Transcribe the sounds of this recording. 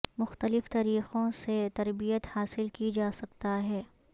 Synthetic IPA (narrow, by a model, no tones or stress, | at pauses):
mʊxt̪əlɪft̪aːɾiːxõset̪ɐɾbijət̪haːsɪlkid͡ʒaːsɐkt̪aɦɛː